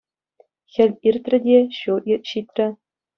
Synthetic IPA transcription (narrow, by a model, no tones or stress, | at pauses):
xʲɘ̆lʲirʲt̪ʲrʲɘ̆dʲeɕuʔirɕit̪ʲrʲɘ̆